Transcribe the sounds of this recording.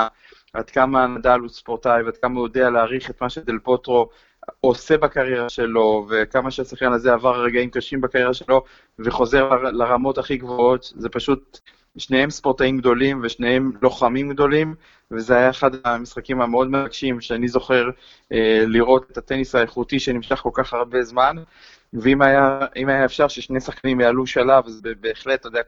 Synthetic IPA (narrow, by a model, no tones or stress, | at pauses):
a | ʔad̪kamanadaluspo̞ʁt̪ajvead̥̪kamajo̞dealeaʁiχet̪maʃed̪elpo̞t̪ʁo̞ | ose̞bakaʁjeʁaʃe̞lo̞vekamaʃeasaχkanazeavaʁaʁeɡaimkaʃimbakaʁjeʁaʃelo̞ | veχo̞ze̞ʁlalaʁamo̞taχiɡvoo̞tze̞paʃut̚ | ʃne̞hemspo̞ʁt̪aimɡd̪o̞limveʃne̞he̞mlo̞χamimɡd̪o̞lim | vezeajaeχad̪amisχakimameo̞d̪mevaɡʃimʃeanizo̞χe̞ʁ | eliʁo̞t̪etat̪enisaeχutiʃenimʃaχko̞lkaχaʁbe̞zman | veimajaimajaefʃaʁʃeʃnejsaχkanimjaːluʃalavazbebeːχle̞t̪ːod̪ea